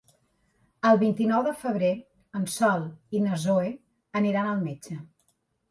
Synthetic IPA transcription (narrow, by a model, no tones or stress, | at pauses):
əlˠβint̪inɔwðəfəβ̞ɾe | ənsɔlˠinəzoe | əniɾanəlˠmed͡ʒə